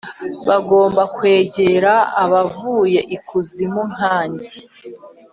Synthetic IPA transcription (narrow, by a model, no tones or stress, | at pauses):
βaɡo̞ːmbakwe̞ːɟe̞ɾaːβavuːje̞ʔikuzimun̥ɦaːɲɟe